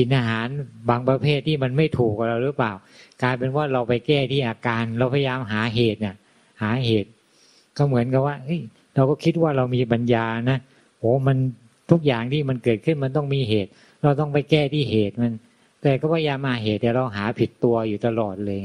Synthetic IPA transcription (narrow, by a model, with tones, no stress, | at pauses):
si˨˩˦nʔaː˧ɦaː˩˦nbaː˧ŋpɾa˧pʰeː˥˩t̪ʰːiː˥˩ma˧nma˥˩jt̪ʰuː˨˩k̚wa˨˩ɾa˧wɾɯː˦˥plaː˨˩w | klaː˧jpe˧nwaː˥˩ɾa˧wpa˧jkɛː˥˩t̪ʰiː˥˩ʔaː˧kaː˧nɾa˧wpʰa˧ja˧jaː˧mɦaː˩˦ɦeː˨˩t̪̚na˨˩ | haː˩˦ɦeː˨˩t̪̚ | kɔ˥˩mɯ˩˦ənka˨˩p̚waː˥˩ʔɤ˦˥j | ɾa˧wkɔː˥˩kʰi˦˥t̪̚waː˥˩ɾa˧wmiː˧pa˧njaː˧na˦˥ | ʔoː˨˦ma˧n | t̪ʰu˦˥k̚jaː˨˩ŋt̪ʰiː˥˩ma˧nkɤː˨˩t̪̚kʰɯ˥˩nma˧nt̪ɔ˥˩ŋmiː˧ɦeː˨˩t̪̚ | ɾa˧wt̪ɔ˥˩ŋpa˧jkɛː˥˩t̪ʰiː˥˩ɦeː˨˩t̪̚ma˧n | t̪ɛː˨˩kɔː˥˩pʰa˧ja˧jaː˧mʔaː˧˩ɦeː˨˩t̪̚ːɛː˨˩ɾa˧wɦaː˩˦pʰi˨˩t̪ːu˧ɐjuː˨˩t̪a˧lɔː˨˩t̪̚lɤː˧j